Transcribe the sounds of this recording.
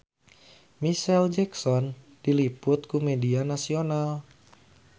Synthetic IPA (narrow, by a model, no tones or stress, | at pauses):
misɛld͡ʒɛksɔn | d̥ilipʊt̪kumedianasional